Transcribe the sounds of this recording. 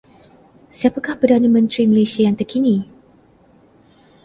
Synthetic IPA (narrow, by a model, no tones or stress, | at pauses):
siapakahpərdanamə̃nt̪ɾiməlesiajaŋt̪ərkʰini